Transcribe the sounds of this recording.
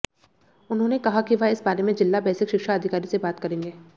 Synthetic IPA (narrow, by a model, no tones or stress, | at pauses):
ʊnɦõnekɐɦakiʋɪsbaːɾemẽd͡ʒɪlːabɛːsɪkʃɪkʃaɐd̪ʱɪkaːɾisebaːt̪kɐɾẽːŋɡeː